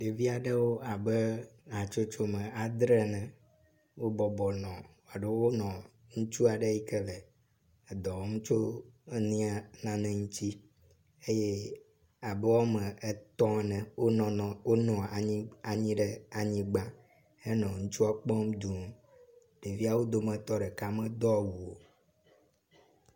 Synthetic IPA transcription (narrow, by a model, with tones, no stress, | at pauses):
ɖe˨vi˦a˨ɖe˦wo˦a˨be˦a˨t͡ʃo˦t͡ʃo˦mɛ̃˨a˨d̪ɾɛ˦nɛ̃˨ | wo˦bɔ˨bɔ˨nɔ̃˨wa˨ɖe˦wo˦nɔ̃˨ | ŋũ˦t͡ʃu˦a˨ɖe˦i˦kɛ˦lɛ˨ | d̪ɔ̃˨wo˦mũ˦t͡ʃo˦nĩ˦a˦nã˦nɛ̃˨ŋũ˦t͡ɕi˦ | e˦je˦ | a˨bɛ˦wa˦mɛ̃˨ɛ˦t̪ɔ̃˦nɛ̃˨wo˦nɔ̃˨wo˦nɔ̃˨a˨ĩ˦a˨ɲĩ˦ɖe˦a˨ɲĩ˦ɡ͡ba˦ | e˦nɔ̃˨ŋũ˦t͡ʃu˦a˦k͡pɔ̃˦m˦d̪u˨m˦ | ɖe˨vi˦a˦˨wo˦d̪o˦mɛ̃˨t̪ɔ˦ɖe˨ka˦mɛ̃˦d̪ɔ˦˨wu˨o˨